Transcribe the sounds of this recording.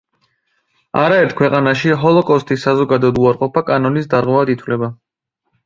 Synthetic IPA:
aɾaɛɾt̪ʰkʰwɛqʼanaʃiɦɔlˠɔkʼɔst̪ʼisːazɔɡad̪ɔd̪uaɾqʼɔpʰakʼanɔnisd̪aɾʁwɛvad̪it̪ʰwvlɛba

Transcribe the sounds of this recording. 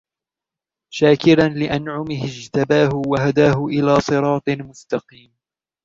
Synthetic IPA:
ʃaːkɪɾanlɪʔanʕʊmɪhɪd͡ʒt̪abaːɦʊwaɦad̪aːɦʊʔɪlaːsˤɨɾˤɑːt̪ˤɨmʊst̪ɑqiːm

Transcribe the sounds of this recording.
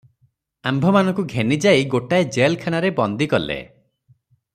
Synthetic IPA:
ambʱɔmanɔŋkuɡʱenid͡ʒajɡoʈaed͡ʒelkʰanaɾebɔnd̪ikɔlḛ

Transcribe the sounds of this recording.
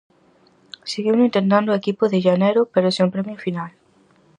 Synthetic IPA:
seɣiwnĩnt̪ent̪ãnd̪oekipoðeʒaneɾopeɾoseumpɾemjofinal

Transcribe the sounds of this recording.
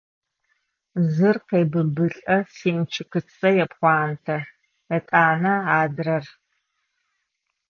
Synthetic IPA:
zɨrqeːbɨbɨɬʼɐsiːnt͡ʃʰɨkɨt͡sʰːɐjɛpχʷɑːntʰɐ | jɐtʼaːnɐaːdrɐr

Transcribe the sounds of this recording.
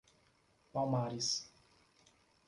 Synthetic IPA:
pawmaɾis

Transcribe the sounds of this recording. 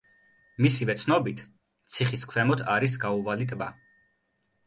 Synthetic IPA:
misivɛt̪sʰnɔbit̪ʰ | t̪sʰiχiskʰwɛmɔt̪ʰaɾisɡauvalit̪ʼba̰

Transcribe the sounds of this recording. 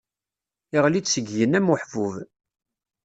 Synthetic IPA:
ɪʁlit͡sːsəɡjənæmʊħvuv

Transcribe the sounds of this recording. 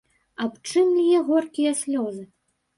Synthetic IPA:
apt͡ʂɨmlʲijɛɣɔrkʲijɐsʲlʲɔzɨ

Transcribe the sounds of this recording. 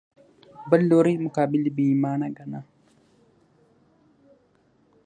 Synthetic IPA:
bɐlːoɾimukaːbilibimaːnaɡana

